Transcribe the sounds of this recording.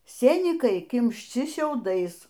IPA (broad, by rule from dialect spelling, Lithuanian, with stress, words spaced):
ˈsʲeːnʲiːkɐɪ kʲɪmʲʃʲˈt͡ʃʲɪ ʃʲɛʊˈdɐɪs